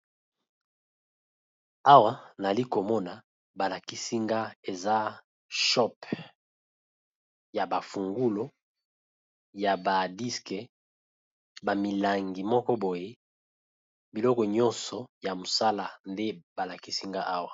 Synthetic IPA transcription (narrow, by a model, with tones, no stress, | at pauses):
a˦wa˦na˨li˦ko˨mɔ˦na˨ | ba˨la˨ki˦si˦ŋɡa˦e˨za˦ | ʃɔ˦p | ja˨ba˨fu˨ŋɡu˦lo˦ | ja˨ba˨di˦ske˨ | ba˨mi˨la˨ŋɡi˨mɔ˦kɔ˦bo˨je˦ | bi˨lɔ˦kɔ˨ɲɔ˦nsɔ˨ja˨mo˨sa˦la˦nde˦b̥a˨la˨ki˦si˦ŋɡa˦ʔa˦wa˨